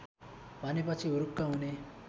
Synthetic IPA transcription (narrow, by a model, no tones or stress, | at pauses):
bʱʌnep̬ʌt͡sʰiuɾukːaɦune